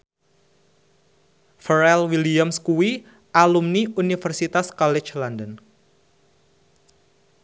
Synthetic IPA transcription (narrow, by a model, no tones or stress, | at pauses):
fəɾɛlwiliamskuwi | ʔalumniunifərsit̪askɔlɛ̥t͡ʃlɔndən